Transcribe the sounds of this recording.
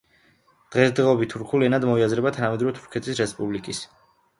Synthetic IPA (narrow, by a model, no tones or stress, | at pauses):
d̪̥ʁɛsd̪ʁɛɔbit̪ʰːuɾkʰulɛnad̪mɔiazɾɛbat̪ʰanamɛd̪ɾɔɛt̪ʰu̥ɾkʰɛt̪ʰisɾɛspʼublikʼis